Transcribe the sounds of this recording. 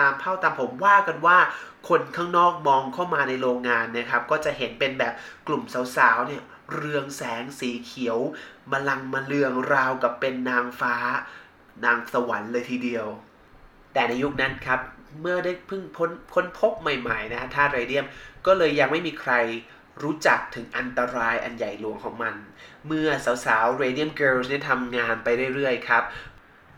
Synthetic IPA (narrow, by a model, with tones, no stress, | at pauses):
aː˧mpʰa˥˩wt̪a˧mpʰo˩˦mwaː˥˩ka˧nwaː˥˩ | kʰo˧nkʰaː˥˩ŋnɔː˥˩k̚mɔː˧ŋkʰa˥˩wmaː˧na˧jɾoː˧ŋːaː˧nːa˦˥kʰa˦˥p̚kɔː˥˩t͡ɕa˨˩ʔɦe˩˦npe˧nbɛː˨˩p̚klu˨˩msa˩˦wsaː˩˦wni˥˩ɐ | ɾɯ˧əŋsɛː˩˦ŋsiː˨˩˦kʰi˨˩˦ə˦wba˧la˧ŋmaː˧lɯ˧əŋɾaː˧wka˨˩pːe˧nːaː˧ŋfaː˦˥ | naː˧ŋsa˧wa˩˦nlɤː˧jt̪ʰiː˧di˧əw | t̪ɛː˨˩na˧jːu˦˥k̚na˦˥nkʰa˦˥p̚mɯ˥˩ɐdaː˥˩jpʰɯ˥˩ŋpʰo˦˥nkʰo˦˥npʰo˦˥p̚ma˨˩jma˨˩jna˦˥kʰa˦˥t̪ʰaː˥˩t̪̚ɾeː˧di˥˩əmkɔː˥˩lɤː˧jːa˧ŋma˥˩jmiː˧kʰɾa˧j | ɾuː˦˥t͡ɕa˨˩k̚t̪ʰɯ˩˦ŋʔa˧nt̪a˧ɾaː˧jʔa̰˧nja˨˩jlu˨˩˦əŋkʰɔː˩˦ŋma˧nmɯ˥˩ɐsaː˩˦wsaː˩˦wɾeː˧di˥˩əmkɤː˧ls̬ni˥˩t̪ʰa˧mŋaː˧npa˧jɾɯ˥˩jɾɯ˥˩əjkʰɾa˦˥p̚